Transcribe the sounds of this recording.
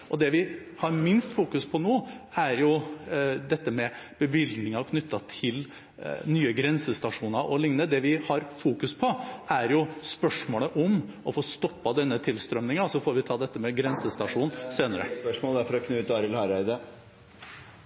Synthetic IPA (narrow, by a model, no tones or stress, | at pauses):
ʔɔd̪ɛʋɪ | hɑɾmɪnst̪fuːkʉspʰɔnoːæɾjʊ | d̪ɛt̪ːəmɛ | b̥əʋɪld̪nɪŋɑkʰnʏt̪ːɑt̪ʰɪl | nyːəɡɾɛnsəst̪ɑʂuːnɑɾʔɔlɪŋnəd̪ɛʋɪhɑɾfuːkʉspʰɔæɾjʊspœʂmoːləʔɔmʔɔfoːst̪ɔpːɑd̪ɛnːət̪ʰɪlst̪ɾœmnɪŋɑsɔfoːɾʋɪt̪ʰɑːd̪ɛt̪ːəmɛɡɾɛnsəst̪ɑʂuːnseːnəɾə̰pœʂmoːlæɾfɔɾɔkʰnʉːt̪ɑːɾəlhɑɾæɪd̪ə